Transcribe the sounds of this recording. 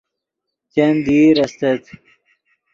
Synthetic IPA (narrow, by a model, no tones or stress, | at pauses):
t͡ɕend̪iːɾɐst̪et̪